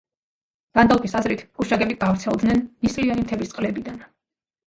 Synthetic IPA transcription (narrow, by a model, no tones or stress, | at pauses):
ɡ̥and̪alˠpʰʼisazɾit̪ʰkʼuʃaɡɛbiɡ̥avɾt̪sʰɛlˠd̪nɛnmisʼlianimt̪ʰɛbist̪sʼqʼlɛbid̪an